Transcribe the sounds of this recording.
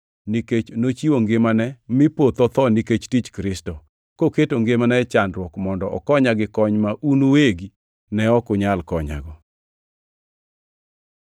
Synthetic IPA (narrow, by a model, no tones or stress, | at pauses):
niket͡ʃnot͡ʃiwoŋɡɪmanɛmɪpot̪ɔt̪ɔniket͡ʃtit͡ʃkɾɪstɔ | koketoŋɡemanɛt͡ʃandɾwɔkmɔndɔʔɔkɔɲaɡɪkɔɲmaʔunuweɡi | nɛɔkʊɲalkɔɲa̰ɡɔ